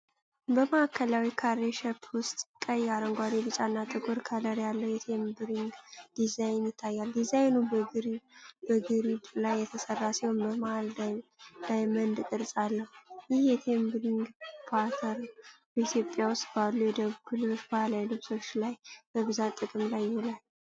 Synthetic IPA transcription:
bəmaakʰːəlawikʰaɾeʃɛpʰwʊst̪ʼkʼəjːaɾəŋɡʷad̪ebɨt͡ʃʼanːat̪ʼɨɡʼoɾkʰələɾjalːəwjɛt̪ʰembɾiŋɡd̪̥izajnjɪt̪ʰːajːald̪izajnubɡɾbəɡɨɾid̪lajːɛt̪ʰəsərːasihonbəmal | d̪̥ajmənd̪k̪ʼɨɾsʼalːəhujɪhjɛt̪ʰembɾiŋɡpʰat̪ʰəɾ | b̥əit̪ʰjo̞pʼːjawʊst̪ʼbalːujɛd̪əβuɡulɨβɨʃbalajlɨβso̞t͡ʃːlajb̥əβɨzat̪ʼːɨkʼɨmlajːɪholalː

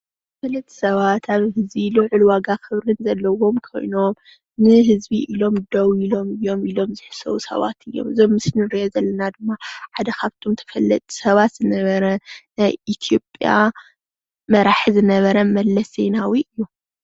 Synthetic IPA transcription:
t̪ʰɐfɐlːɐt̪ʼʰːi̥sɐβat̪ʰaβhɨzbilɨʕulwaɡakɨβɾɨnzɐlːɐwo̞mkʰo̞̰jno̞m | nɨɦɨzbiʔilo̞md̪ɐwilo̞mɨjːo̞milo̞mzɨħɨ̥sɐ̰wusɐ̰βa̰t̪ʰɨjːo̞̰mɨzomːɨsnɨɾijozɐlːɐnad̪ɨmːaħad̪ɐkʰaβt̪ʰomt̪ʰɐ̥fɐlːɐ̰t̪ʼi̥sɐβat̪z̥ɨnɐβɐɾɐnajʔit̪ʰijo̞pʼja̰ | mɐɾaħizɨnɐβɐɾɐmɐlːɐsenawiʔɨjːu

